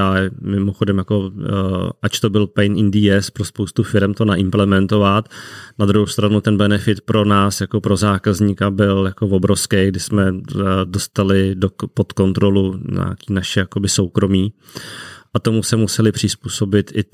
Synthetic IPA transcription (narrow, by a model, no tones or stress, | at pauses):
aɛmɪmo̞xodɛmjako̞ | ʔat͡ʃt̪o̞bɪlpɛjnʔɪndiɛspɾo̞spowst̪ufɪɾɛmt̪o̞naʔɪmplɛmɛnt̪o̞vat̪nad̪ɾuɦowst̪ɾanut̪ɛnbɛnɛfɪt̪pɾo̞naːsjako̞pɾo̞zaːkazɲikabɪljako̞vo̞bɾofskejɡdɪsmɛdost̪alɪdopo̞t̪ko̞nt̪ɾo̞luɲa̰ːkiːnaʃɛjako̞bɪso̞wkɾo̞miː | ʔat̪o̞musɛmusɛlɪpr̝̥ɪspuːso̞bɪt̪ʔɪ